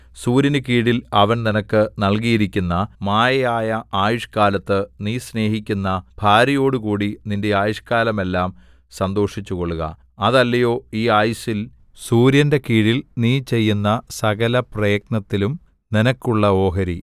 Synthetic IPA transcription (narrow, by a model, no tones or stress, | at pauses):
suːɾjɐnɨkiːɽilɐʋɐnninɐkːɨnɐɭk̬ijiɾikʲːunːɐmaːjɐjaːjɐaːjuʂkaːlɐt̪ːɨniːsne̞ːɦikʲːunːɐb̥ʱaːɾɐjo̞ːɽukuːɽininde̞aːjuʂkaːlɐme̞lːaːm | sɐnd̪o̞ːʂit͡ɕːuko̞ɭːuɣɐ̰ | ɐðɐlːɐjo̞ːiːaːjusil | suːɾjɐnde̞kiːɽilniːt͡ɕe̞jːunːɐsɐɣɐlɐprɐjɐknɐt̪ːilum | ninɐkːuɭːɐo̞ːɦɐɾḭ